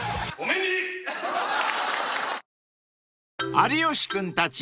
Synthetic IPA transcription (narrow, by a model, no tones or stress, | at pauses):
omeni | aɾʲioɕi̥kɯ̃nt̪at͡ɕi